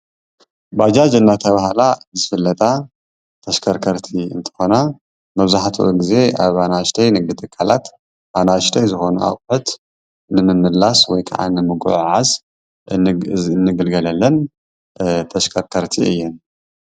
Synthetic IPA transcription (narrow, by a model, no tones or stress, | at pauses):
bad͡ʒad͡ʒɨnːat̪ʰɐβahlazɨfɨlːɐt̪ʼa | t̪ʰɐʃkʰɐɾkʰɐɾt̪ʰiɨ̰nt̪ʰɨ̥xo̞na | mɐβzaħt̪ʰuʔoɡize̞ʔaβanaʃt̪ʰɐjnɨɡɨt̪ʰʼɨkʰːalat̪ | banaʃt̪ʰɐjzɨxo̞nuʔa̰wħut̪ | nɨmɨmɨlaswɔjkʰa̰ʕa̰nɨmɨɡuʕʕaz | nːɨɡɨlɡɐlɐlːɐn | t̪ʰɐʃkʰɐɾkʰɐɾt̪ʰiɨjːɛn